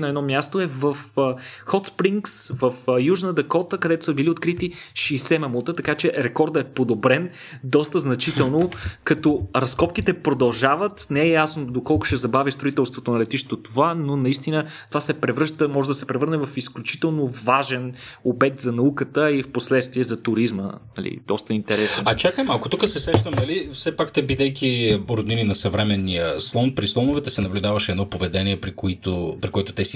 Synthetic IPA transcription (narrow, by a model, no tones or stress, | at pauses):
nɐɛd̪nɔmʲjast̪oɛvəfxɔt̪spɾiŋksvəfjuʒnəd̪ɛkɔt̪əkɐd̪ɛt̪o̥səbiliot̪kɾit̪iʃisɛmɐmut̪ət̪ɐkat͡ʃɛɾɛkɔɾd̪ɛpod̪obɾɛn | d̪ɔst̪əznɐt͡ʃit̪ɛlˠnokɐt̪ɔɾɐskɔp̚kit̪ɛpɾod̪ɐlˠʒavət̪nɛɛjasnod̪okɔlˠkʊ̥ʃɛzɐbavʲist̪ɾoit̪ɛlˠst̪vot̪onɐlɛt̪iʃt̪ɛt̪ot̪ovanonɐist̪inət̪ovasɛpɾɛvɾɤʃt̪əmɔʒɛd̪ɐsɛpɾɛvɤɾnɛvɐfisklʲut͡ʃi̥t̪ɛlˠnovaʒɛnobɛt̪zɐnɐukət̪əifposlɛt̪st̪viɛzɐt̪ʊɾizmə̰nɐ̰lḭd̪̥ɔst̪əint̪ɛɾɛsɛnɐt͡ʃakəmɐkot̪ukəsɛsɾɛʃt̪əmnɐlifsɛpakt̪ɛbid̪ɛjkiɾod̪ininɐsɐvɾɛmɛnːijəslˠɔnpɾislˠɔnʊvɛt̪ɛsɛnɐblʲud̪avəʃɛɛd̪nɔpovɛd̪ɛniɛpɾikʊit̪opɾikoɛt̪o̥t̪ɛsi